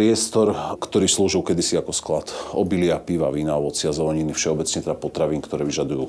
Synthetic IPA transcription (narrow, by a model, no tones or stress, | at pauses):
ɾɪɛst̪ɔɾkt̪ɔɾiːsluːʒiʊkɛd̪isiakɔsklat̪ɔbilɪapiːʋaʋiːnaɔʋɔt͡sɪazɔlɔɲinifʃɛɔbɛt͡sɲɛt̪ɛd̪apɔt̪ɾaʋiːnkt̪ɔɾɛːʋiʒad̪ujuː